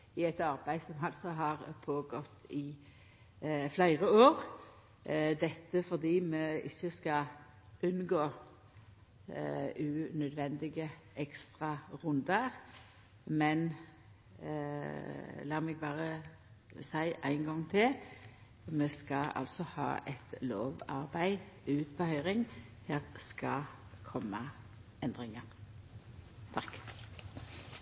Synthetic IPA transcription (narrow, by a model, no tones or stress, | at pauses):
ɪɛt̪ɑʁbæɪsɔmɑlt̪sɔɦɑʁpʰoːɡɔt̪ːɪ | flæɪʁəoːʁ | d̪ɛt̪ːəfɔʁd̪iːmɛɪ̰çːəskɑ | ʉnɡoː | ʉnœd̪ʋɛnd̪ɪɡə | ɛkst̪ʁɑʁʉnd̪əʁ | mɛn | lɑːmɛɡ̚bɑːʁə | sæɪʔæ̰ɪŋɡɔŋːt̪ʰɪl | meːskɑɑ̰lt̪sɔhɑ̰ːʔɛt̪lo̰ːʋɑʁbæɪʉːt̪pʰəhœʏʁɪŋ | heːʁskɑ | kʰɔmːə | ɛnd̪ʁɪŋəʁ | t̪ʰɑk